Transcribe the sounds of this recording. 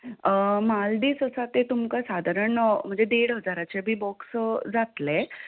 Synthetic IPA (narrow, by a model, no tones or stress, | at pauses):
mald̪iːsəsat̪et̪umkasad̪ʱaɾəɳəm̤əɳd͡zed̪eɽɦəd͡zaɾat͡ɕebʱiːbɔksd͡zat̪le